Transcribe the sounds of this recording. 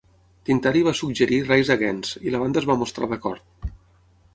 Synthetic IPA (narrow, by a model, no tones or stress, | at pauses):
t̪int̪aɾiβasuɡ̚ʒəɾirɛjzðəɣɛnz̥iləβ̞and̪əzβamust̪ɾa̰ðəkɔɾt̪̚